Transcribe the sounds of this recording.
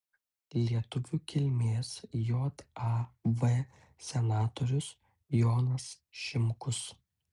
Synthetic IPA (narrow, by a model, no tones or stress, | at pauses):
lʲiɛt̪ʊʋʲuːkʲɪlʲmʲeːsjoːt̪ɑʋe | sʲɛnɑːt̪ɔɾʲʊs | joːnɐs | ʃʲɪmkʊs